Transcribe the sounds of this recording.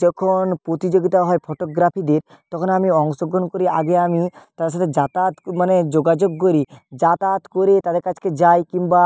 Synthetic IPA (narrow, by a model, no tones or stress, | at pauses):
d͡ʒɔkʰonpɾot̪id͡ʒoɡit̪aɦɔepʰɔʈoɡɾapʰid̪eɾ | t̪ɔkʰonamiɔŋsɔɡonkoɾiaɡeamit̪ad̪eɾʃʰat̪ʰed͡ʒat̪at̪maned͡ʒoɡad͡ʒoɡ̚koɾid͡ʒat̪at̪koɾet̪ad̪eɾkad͡ʒked͡ʒajkimba